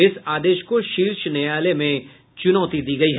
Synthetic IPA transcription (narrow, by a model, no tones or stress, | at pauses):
ɪsaːd̪eːʃkoʃiːɾʃnɛjaːlemẽ | t͡ʃʊnɔːt̪id̪iːɡɐiɦ